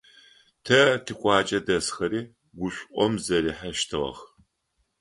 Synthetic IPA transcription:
tʰɐtʰɨkʷʼɑːt͡ʃʼɐdɐsxɐɾiː | ɡʷʊɕʷʼʔʼʷɔmzɐɾiːħaʃtʰɨʁɐ̰χ

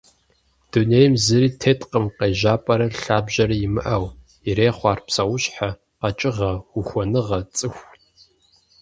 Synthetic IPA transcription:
d̥unejmzɨɾiːtʰeːtʼqəmqejʒaːpʼɐɾɐɬaːbʒʑɐɾɐjɪmɨ̰ʔɐw | ireːχʷɑːrpsɐwʊɕħa | qɐt͡ʃʼɪʁɐʊxʷɔnɨʁɐt͡sʼɨxʷ

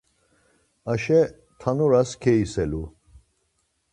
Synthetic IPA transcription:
aʃɛ | t̪ʰanɔɾaskʰɛisɛlu

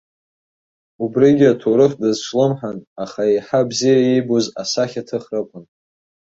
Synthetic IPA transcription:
ubriɡʲatʰoɾɨχdɨzt͡ʃʷʰlɨmħanaχaiħabzijaibozasaχʲatʰɨχrɨkʷʰʼʊn

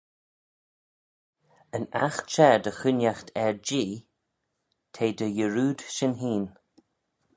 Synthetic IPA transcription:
əna̰xt͡ʃɛɹd̪əxʊnjaxt̪ʰɛɹd͡ʒiː | t̪ʰeːd̪əjəɹuːd̪̥ʃɪnɦiːn

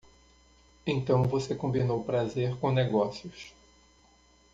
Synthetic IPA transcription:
ẽt̪ɐ̃w̃vosekõmbinowpɾazeɾkõneɡɔsijʊs

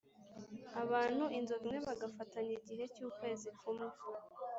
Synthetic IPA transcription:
aβaːn̥huʔinzoβimŋe̞βaɡafataɲiɟiɦe̞cuːkwe̞ːzikumuvuɾ

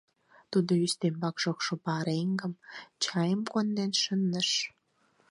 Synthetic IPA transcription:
t̪ud̪oyst̪embɑkʃokʃopɑɾeŋɡə̆mt͡ɕɑjəmkond̪enʃənːəʃ

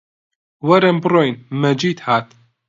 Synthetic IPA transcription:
wɐɾɐmbroːjnmɐd͡ʒiːt̪haːt̪

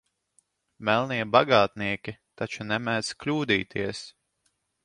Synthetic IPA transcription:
mɛlˠniɛbaɡaːt̪niɛkʲit̪at͡ʃunɛmæz̥klʲuːd̪iːt̪ʰiɛs

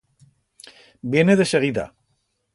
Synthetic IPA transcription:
bieneðeʃeɣiða̰

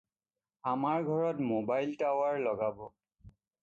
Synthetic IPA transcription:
amaɹɡʱɔɹɔtmobajltawaɹlɔɡabɔ

